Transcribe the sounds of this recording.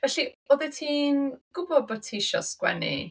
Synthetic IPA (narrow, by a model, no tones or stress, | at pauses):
vɛɬiɔðɛtʰiːnɡ̥ʊbɔbɔtʰiʃɔ̰skwɛ̰nḭ